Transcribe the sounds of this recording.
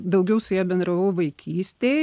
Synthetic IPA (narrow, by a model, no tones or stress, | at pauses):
d̪ɐʊɡʲɛʊsʊjɛːbʲɛnd̪ɾɐʋɐʊʋɐɪkʲiːsʲt̪ʲeː